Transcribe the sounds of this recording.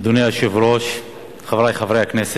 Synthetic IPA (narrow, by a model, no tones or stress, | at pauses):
d̪uneaʃevɾoʃ | χavɾajχavɾejaknese